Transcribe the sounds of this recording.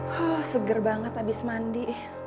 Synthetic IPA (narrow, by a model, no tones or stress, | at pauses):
ɔhsəɡərbaŋət̪abɪsmandiʔ